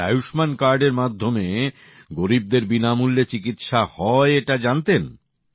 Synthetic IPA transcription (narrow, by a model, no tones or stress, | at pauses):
a̰juʃmankaɾɖeɾmad̪ʱːome | ɡoɾib̚d̪eɾbinamulːet͡ɕikit̪ʃahɔeeʈad͡ʑant̪en